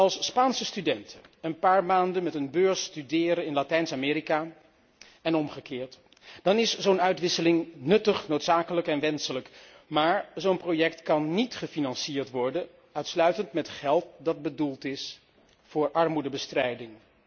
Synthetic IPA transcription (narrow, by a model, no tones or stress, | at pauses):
ɑlˠspaːnsəstydɛntʰəənpaːɹmaːndənmɛtənbøːɹstydɪːɾənɪnlatɛjnsamɪːɾika | ɛnɔmχəkɪːɹt | d̥ɑnɪszownœɥtʋɪsəlɪŋnɵtəχnowtsaːkələkɛnʋɛnsələk | maːɹzonprojɛktkɑnːitχəfinɑnsiːɹtʋɔɹdə | œɥtslœɥtəntmɛtχɛlˠt̚dɑd̚bədulˠtɪs | fʊːɹʔɑɹmudəbəstrɛjdɪŋ